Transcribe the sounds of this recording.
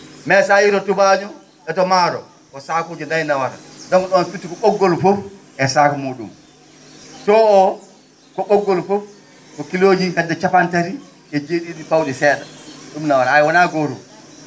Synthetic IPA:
mɛsajiɾɔtubaɲɔ | ɓɛtɔmaɾɔ̰ | kɔsaːkud͡ʒɛndajnawaɾa̰dɔŋɗɔnsutːikɔɓɔɡːɔlfɔf | ʔɛsakɔmoɗṵm | sɔɔ | kɔɓɔɡːɔlfɔf | kɔkilod͡ʒikadːɛt͡ʃapantaɾi | ɛd͡ʒeɗiɗifawɗɛsɛːɗaɗumnawaɾaajwɔnaɡoɾṵ

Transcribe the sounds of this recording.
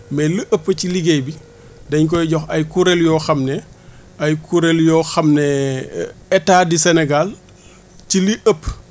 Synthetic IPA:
mɛliʔəpːəciliɡɛjbi | dɐɲk̬ɔjɟɔxɐjkuɾɛljɔːxɐmnɛ | ɐjkuɾɛljɔːxɐmnɛ | ɛtːaːdisɛnɛɡal | ciliʔəpː

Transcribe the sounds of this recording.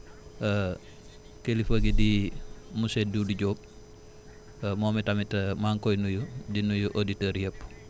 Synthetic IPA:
kelifəɡidimuseduːdiɟoːp̚ | moːmitamitɐmaŋkojnujudinujuʔoditɐːɾjəpː

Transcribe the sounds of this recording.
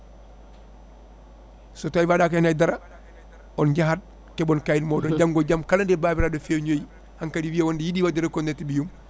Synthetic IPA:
sotajvadakanadaɾa | onɟaɦad̚ | kebonkajinmoːdond͡ʒamɡoɟamkalandebabiɾadofeɲoj | haŋkadiwiawondijidiwadiɾekondetibijum

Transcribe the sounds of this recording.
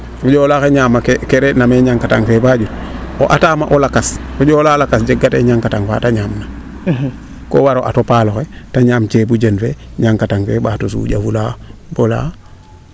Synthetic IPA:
kud͡ʒoːlaxeɲaːmakkeɾenameɲaŋkataŋfebaɟuto̰ʔataːmaʔolakaskuɟoːlalakasd͡ʒeɡːatḛɲaŋkataŋfa̰ːtaɲaːmna | ko̰ːwaɾoʔatopaːloxetaɲaːmt͡ʃebud͡ʒenfeɲaŋkataŋfebaːtos̬ṵɟafulaːbola̰

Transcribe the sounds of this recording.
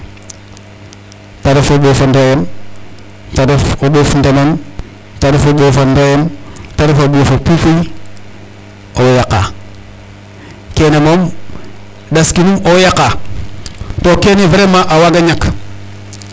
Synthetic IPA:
taɾefobofondojem | taɾefoɓofndenom | taɾefoɓofondajemtaɾefobofopifi | owjaka̰ | kenemom | daskinumojaka | tokeneveɾemaʔawaɡaɲak

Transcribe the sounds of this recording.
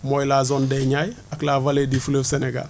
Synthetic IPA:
mojlazɔndɛɲaj | aklaːvaledifuləfseneɡa̰l

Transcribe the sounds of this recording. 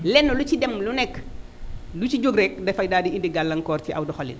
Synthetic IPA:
lɛnːɔlucidɛmlunɛkː | lut͡ʃiɟoɡɾɛk̚dɛfɐjdaːdiindiɡalːɐŋkɔːrtiʔa̰wdɔxɔlḭn

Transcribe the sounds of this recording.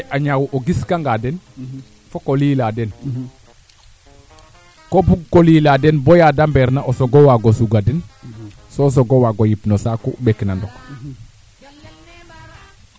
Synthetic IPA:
ʔaɲawʔoɡiskaŋɡadɛn | fokoliːladɛn | kobuɡ̚koliːladɛnbojadambeːɾnaʔosoɡowaɡosuɡadɛn | sos̬oɡowaɡojipnosakṵbɛknandɔk

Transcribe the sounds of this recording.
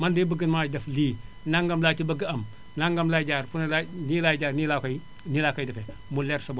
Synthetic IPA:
mɐndeːbəɡənmadɐfliː | naŋɡɐmlat͡ʃibɐɡəɐm | naŋɡɐmlad͡ʒaːɾfunlanilad͡ʒaːɾnilakɐj | nilakɐjdɐfɛ | mulɛɾsɐbo

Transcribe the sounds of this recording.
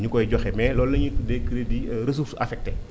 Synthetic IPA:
ɲukɔjɟɔxɛmɛlɔːlːɐɲidekːɾediɾes̬uɾsɐfɛk̚te

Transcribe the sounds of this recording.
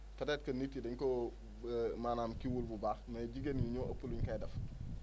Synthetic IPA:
fɐdɛːt̚kɐnːitːidɐɲko | maːnaːmkiwulbubamɛɟiɡenjuɲoʔɐpuluɲkajdɐf

